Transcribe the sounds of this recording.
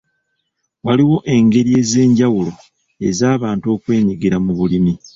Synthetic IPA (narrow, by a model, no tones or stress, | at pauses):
waliwo̞ʔe̞ŋɡe̞ɾie̞ze̞ːɲɟawulo̞ | e̞zaːβaːnto̞ːkwe̞ːɲiɡiɾamuβulimi